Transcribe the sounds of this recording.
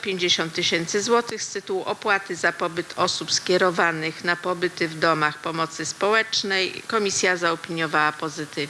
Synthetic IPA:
pʲjeɲd͡ʑeɕɔnt̪ːɘɕɛnt̪sɘzwɔt̪ɘxst̪ɘt̪uwuʔɔpwat̪ɘzapɔbɘt̪ʰɔsupskʲjɛɾɔvanɘxnapɔbɘt̪ɘvd̪ɔmaxpɔmɔt̪sɘspɔwɛt͡ʂnɛjkɔmʲisʲjazaɔpʲiɲjɔvawapɔzɘt̪ɘv

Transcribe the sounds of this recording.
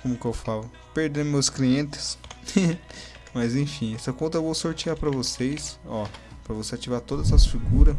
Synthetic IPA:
kõmʊkɪewfalʊ | peɾd̪ẽʊmewskliẽt̪ɪ̥s | mɐjzẽj̃fĩɛsɐkõt̪ɐvõwsoɾt͡ʃiapɾɐvosejsɔpɾɐvoseat͡ʃivaɾt̪od̪ɐzɛɐsfiɡuɾɐ

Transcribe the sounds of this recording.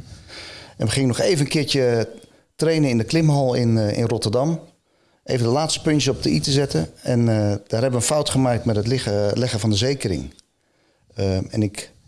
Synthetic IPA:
ɛnʋəχɪŋənɔχeːvənənkɪːɹt͡ʃə | trejnəɪndəklɪmɦɑlˠɪnɪ̰nrɔtərdɑm | ʔejvəndəlaːtstə̥pɵnɔp̚dəitəzɛtəɛnd̥aːrɦɛbəʋənfawtχəmaːk̚tmɛtətlɛɣəvɑndəzejkərɪ̰ŋ | ɛ̰nɪk

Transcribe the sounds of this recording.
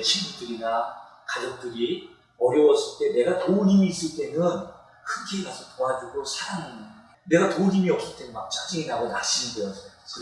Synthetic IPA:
t͡ɕʰimukd͈ɯɾina | kad͡ʑok̚t͈ɯɾi | ʌɾjʌwʌs͈ɯɭt͈e̞ne̞ɡatounimiːs͈ɯɭt͈e̞nɯn | kʰɯnɡʰeːɡasʰotoad͡ʑuɡɾosʰaɾaŋanɯ | ne̞ɡatouɲimiʌp̚s͈ɯɭt͈enɯnmak̚t͡ɕ͈ak̚t͡ɕ͈iŋinaɡonaɕ͈imidɯɾʌs͈sʰʌ

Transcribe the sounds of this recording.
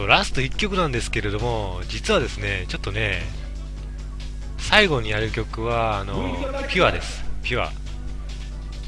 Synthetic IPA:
oɾasɨ̥t̪o̞ikʲːo̞kɯ̟nãnd̪e̞sɨ̥ke̞ɾe̞d̪o̞mo̞ | d͡ʑit͡sɨβad̪e̞sɨne̞t͡ɕo̞t̪ːo̞ne̞ | saiɡo̞ɲ̟ijaɾɯ̟kʲo̞kɯ̟βaːno̞pʲiad̪e̞sɨ̥pʲɯa̰

